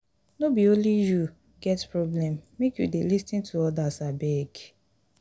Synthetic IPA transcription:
nobioliju | ɡɛtpɹoblɛmmekjṵdelistĩntʰuɔdasabeɡ

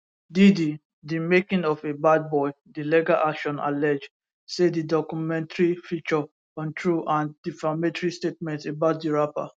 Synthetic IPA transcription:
didi | dimekĩŋɔfebad̚bɔɪ | dilɛɡaʔakʃɔ̃na̰lɛd͡ʒ | sedidɔkumɛ̃ntaɹifit͡ʃɔ | ɔ̃ntʰɹuʔãndifamɛtɹistet̚mɛ̃ntebaʊt̚diɹapa̰

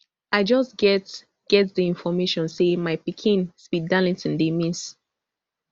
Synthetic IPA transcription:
aɪd͡ʒɔsɡɛt | ɡ̥ɛtdiĩnfɔmeʃɔ̃nsemaɪpikʰĩnspidalĩntĩndemĩns

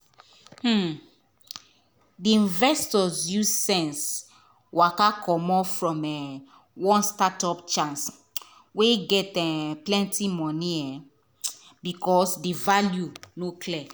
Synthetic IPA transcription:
h̩ | diĩnvɛstɔsjussɛ̃ns | wakakɔmɔfɹɔ̃mɛ | wɔ̃nstatɔpt͡ʃãns | weɡɛtɛplɛ̃ntimɔ̃niɛ̃ | bikɔsdivaljunokʰlɛ

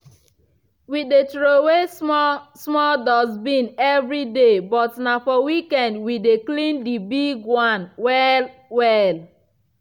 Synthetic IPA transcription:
widetɾowe | smɔldɔzbĩnɛvɾidebɔtnafɔwikɛndwideklĩndibiɡwãnwɛlwɛl

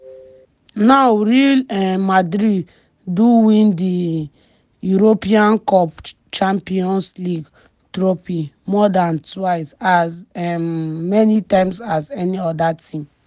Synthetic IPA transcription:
nawɾilɛmadɾid | duwĩndi | juɾopiãnkɔp | t͡ʃãmpiɔ̃nsliɡ | tɾopimɔdãntwaɪsazɛmmɛnitãɪ̃msazɛniɔdatĩm

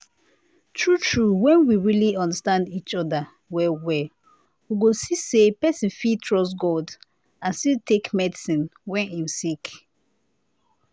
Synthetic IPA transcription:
tʰɹutʰɹuwɛ̃nwiɹiliɔ̃ndastãndit͡ʃɔda | wɛwɛ | wiɡosisepɛsĩnfitʰɹɔsɡɔd | ãnstiltʰekmɛdisĩnwɛ̃nĩmsik

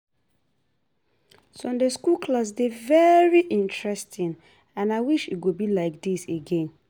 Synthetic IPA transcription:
sõndeskulkʰlas̬devɛɹiʔĩntɹɛstʰĩn | ãnaɪwiʃitɡubilaɪk̚diseɡẽn

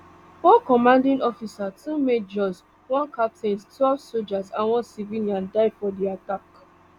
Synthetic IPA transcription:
wɔ̃nkɔmãndĩnɔfisatʰumet̚d͡ʒɔz | wɔ̃nkap̚tẽnstʰwɛlvsod͡ʒazãnwɔ̃nsivĩniãndaɪdfɔdiatak

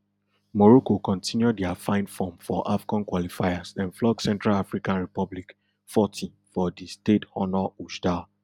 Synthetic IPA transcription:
mɔɹokokɔ̃ntʰĩnjudɛafãɪ̃nfɔ̃mfɔʔafɡɔ̃nkwɔlifaɪasɛ̃nflɔɡsɛ̃ntɹalafɹikãnɹipɔblik | fɔtʰĩnfɔdistetɔnɔuʃda

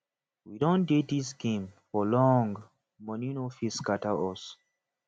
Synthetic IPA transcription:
widõndedisɡẽmfɔlɔ̃ŋɡ | mɔ̃ninofiskataɔs

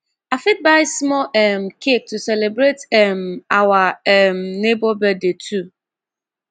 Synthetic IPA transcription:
afɪt̚baɪsmɔɛm̩kʰek̚tusɛlebɾetɛmawaɛmnebɔbɛdetʰu

